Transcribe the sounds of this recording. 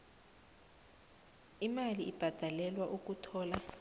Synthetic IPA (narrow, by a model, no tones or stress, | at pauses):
imaliʔib̥ʱad̥ʱalɛlwaʔuk̬utʰɔːla